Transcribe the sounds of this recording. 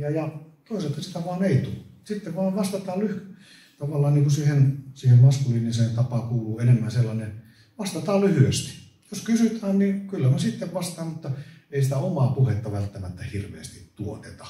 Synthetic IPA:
jɑjɑt̪oˑiselt̪hɑsi̥t̪æʋɑːneˑit̪usit̪ːeʋʋɑːʋʋɑst̪ɑt̪ɑːlyhy | t̪ɑʋɑlːˑɑːnniːŋkusihensiːhemmɑskuliːniset̪ɑpɑkuːluːenemːænselːɑnen | ʋɑst̪ɑt̪ɑːllyhyøst̪i̥ | joskysyt̪æːnnikylːæmesit̪ːeʋʋɑst̪ɑːmmut̪ːɑeˑisit̪æomɑpuhet̪ːɑʋælt̪ːæmæt̪ːæhirʋˑḛːst̪it̪tuot̪et̪ɑ̥

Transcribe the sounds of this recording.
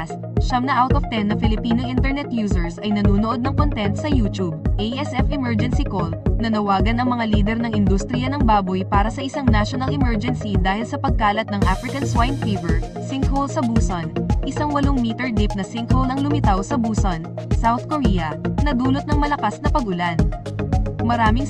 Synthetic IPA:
s | ʃɐmnɐʔawt̪ovt̪ɛnːɐfɪlɪpiːnoʔɪnt̪ɛɹnɛt̪̚juːsɛɹsʔɐjnɐnuːnoʔo̞d̪̚nɐŋkont̪ɛnt̪sɐjuːt̪ub̚ʔejʔɛsʔɛfɪmɛɹd͡ʒɛnsikolnɐnɐwaːɡɐnɐŋmɐŋaliːd̪ɛɾnɐŋʔɪnd̪ust̪ɾɪjɐnɐŋbaːbojpaːɾɐsɐʔɪsaŋnaʃonɐlʔɪmɛɹd͡ʒɛnsid̪aːhɪlsɐpɐɡ̚kaːlɐt̪̚nɐŋʔafɾɪkɐnswajnfijvɛɹ | sɪŋkʰholsɐbuːsɐnʔɪsɐŋwɐloŋmiːt̪ɛɹd̪ɪp̚nɐsɪŋkholɐŋlʊmɪt̪awsɐbuːsɐnsawθkoɾijɐnɐd̪uːlot̪nɐŋmɐlɐkasnɐpɐɡʔʊlan | mɐɾaːmɪŋ

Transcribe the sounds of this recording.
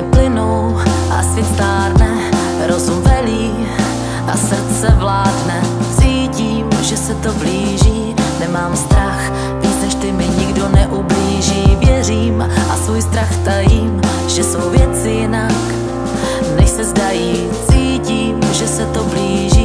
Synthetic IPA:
plɪnowʔa̰sɪst̪aːɾnɛ | ɾozumvɛliː | ʔa̰sr̩tt͡sɛvlaːdnɛ | t͡siːciːmʒɛsɛt̪o̞bliːʒiː | nɛmaːmst̪ɾax | vit͡snɛʃt̪ɪmɪɲɪɡdo̞nɛʔubliːʒiːvjɛr̝iːm | ʔasvuːjst̪ɾaxt̪ajiːm | ʒ̥ɛso̞wvjɛt͡sɪjɪnak | nɛʃsɛzdajiː | t͡siːciːmʒɛsɛt̪o̞bliːʒiː

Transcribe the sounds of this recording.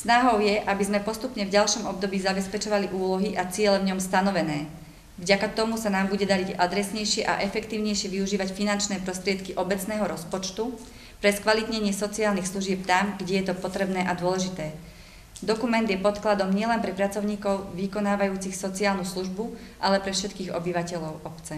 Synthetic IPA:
snaɦɔʊjɛʔabizmɛpɔst̪upɲɛvɟalʃɔmɔbd̪ɔbiːzabɛspɛt͡ʃɔʋaliʔuːlɔɦiʔat͡sɪɛlɛvɲɔmst̪anɔʋɛnɛː | vɟakat̪ɔmusanaːmbuɟɛd̪aɾiɟad̪ɾɛsɲɛjʃɪɛʔa̰ʔɛfɛkt̪iːʊɲɛjʃɪɛʋiuʒiːʋacfinant͡ʃnɛːpɾɔst̪ɾɪɛt̪kiʔɔbɛt͡snɛːɦɔɾɔspɔt͡ʃt̪u | pɾɛskʋalit̪ɲɛɲɪɛsɔt͡siaːlnixsluʒɪɛp̚t̪amɡɟɛjɛt̪ɔpɔt̪ɾɛbnɛːʔad̪ʊɔlɛʒit̪ɛː | d̪ɔkumɛnd̪jɛpɔt̪klad̪ɔmɲɪɛlɛnpɾɛpɾat͡sɔʊɲiːkɔʊʋikɔnaːʋajuːt͡sixsɔt͡siaːlnusluʒbuʔalɛpɾɛfʃɛt̪kiːɣɔ̰biʋacɛʎɔʊɔpt͡sɛ

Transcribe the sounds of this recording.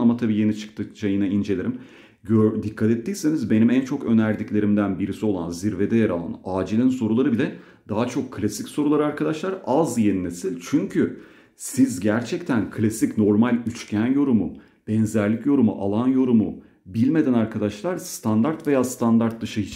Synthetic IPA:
amat̪ʰabiːje̞nit͡ʃʰɯ̥k̚t̪ʰɯt͡ʃʰajɯnaind͡ʒe̞lʲiɾim | ɟød̪ikʰːat̪ɛt̪ʰːiːse̞nizbe̞nimænt͡ʃʰo̞kø̞næɾd̪iclʲe̞ɾimd̪ænbiɾisio̞lˠa̰nziɾve̞d̪ɛjaɾalˠa̰naːd͡ʒilʲinso̞ɾulˠaɾɯbilʲɛ | d̪aɦat͡ʃʰo̞kʰːlʲasicso̞ɾulˠaɾɯaɾkʰad̪aʃlˠaɾazjeninesilʲt͡ʃʰyɲcʰy | sizɟæɾt͡ʃʰɛct̪ʰænkʰlʲasicno̞ɾmalʲyt͡ʃcʰænjo̞ɾumu | b̥ɛnzæɾlʲicjo̞ɾumṵʔalˠanjo̞ɾumu | bilʲme̞d̪ænaɾkʰad̪aʃlˠaɾst̪ʰand̪aɾt̪ve̞jaːst̪ʰand̪aɾt̪̚d̪ɯʃɯit͡ʃ

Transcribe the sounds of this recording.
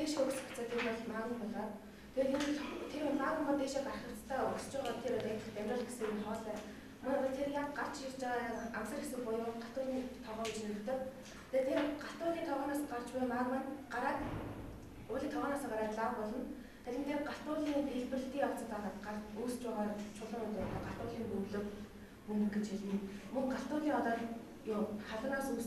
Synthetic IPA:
eːʃuks̆xḁt͡saːt̪ʰeːrpaɮmanə̆ŋpɔɮɔːt̪ | t̪ʰet̪et̪ʰemaɣʊmə̆t̪eːʃaːkarχə̆kt͡st̪ʰaːʊst͡ɕʊːʁaːt̪ʰeɾat̪at̪ə̆χt̪æmʲrʲə̆ːɮxɡesĕnχɔːɮæː | mɔnːɔɮt̪ʰerjakɢar̥t͡ɕirt͡ɕamsə̆rxesɘ̆ŋpʊjʊɮɢaɬt̪ʊːɮiːt̪ʰɔʁɔːɡet͡ɕnɵɵ̆t̪ɘ̆k̚ | t̪ʰet̪ʰerɢaɬt̪ʊːɮiːt̪ʰɔʁɔːnaːsɢar̥t͡ɕpæjmamanɢaɾaːt̪ | ʊːɮʲiːŋt̪ʰɔʁɔːnaːsaːŋɢaɾaːt̪ɮaːpɔɮɞ̆n | t̪ʰæɾʲĭnt̪ʰerɢaɬt̪ʊːɮiːt̪eɮpɘ̆r̆ɬt̪iːŋɔw̥t͡sə̆t̪aːʁaːt̪ɢaruːst͡ɕʊːʁaːrt͡ɕʰʊɮə̆ŋʊt̪ʊt̪ɔːɢaɬt̪ʊːɮiːŋpɵmɮɵ̆k | mɵnɘ̆ŋɡĕt͡ɕxeɮɘ̆nmɵŋɢaɬt̪ʊːɮiːŋɔt̪ɔːt̪ | jʊχaɮʊ̆nɔːsus

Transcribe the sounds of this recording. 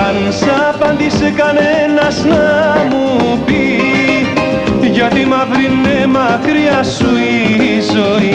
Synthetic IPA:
an | sapand̪isekanenasnamupi | d͡ʒaʈ̪imabɾinːemakɾiasuiso

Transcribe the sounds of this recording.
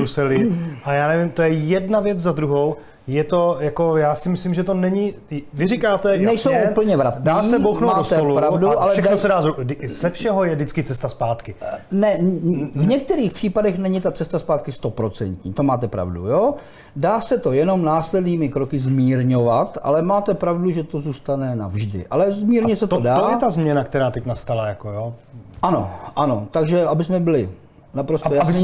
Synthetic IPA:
usɛlɪʔajaːnɛvɪmt̪ojɛjɛdnavjɛt͡szad̪ɾuɦow | jɛt̪o̞jakojaːsɪmɪslimʒɛt̪onɛɲɪ | vɪɾikaːt̪ɛnɛjsowʔupl̩ɲɛvɾat̪naːsɛbowxnowmaːsɛpolupɾavduʔalɛʃɛnosɛdaːzudzɛfʃɛɦojɛdɪt͡skɪt͡sɛst̪aspaːt̪kɪnɛvɲɛk̚t̪ɛɾiːxpr̝̥iːpadɛxnɛɲɪt̪at͡sɛst̪aspaːt̪̚kɪst̪o̞pɾo̞t͡sɛ̰nt̪ɲḭːt̪o̞maːt̪ɛpɾa̰vdṵjoː | daːsɛt̪o̞jɛno̞mnaːslɛdniːmɪkɾo̞kɪzmiːɾɲo̞vat̪ʔa̰lɛmaːt̪ɛpɾavduʒɛt̪o̞zuːst̪anɛna̰vʒdɪ̰ʔa̰lɛzmiːɾɲɛsɛt̪odaːojɛt̪azmɲɛnakt̪ɛɾaːt̪ɛcnast̪alajakojoʔano̞̰ʔano̞t̪aɡʒɛabɪsmɛbɪlɪ | napɾost̪ojasɪni

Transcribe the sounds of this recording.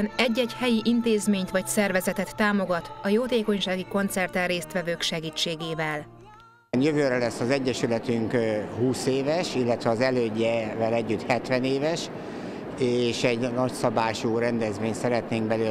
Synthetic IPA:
nɛɟːɛɟhɛjiʔint̪eːzmeːɲt̪ʋɒcsɛrvɛzɛt̪ɛt̪ːaːmoɡɒt̪ɒjoːt̪eːko̞ɲʃaːɡiko̞nt̪sɛrt̪ɛreːst̪ʋɛvøːkʃɛɡiːt͡ʃːeːɡeːvɛl | njøvøːɾɛlɛsːɒzɛɟːɛʃylɛt̪yŋkhuːseːvɛʃilːɛt̪ʋɛɒzɛløːɟːɛvɛlɛɟːyt̪hɛt̪ʋɛneːvɛʃ | eːʃɛɟnɒcsɒbaːʃuːɾɛnd̪ɛzmeːɲsɛɾɛt̪neːŋɡ̚bɛlø

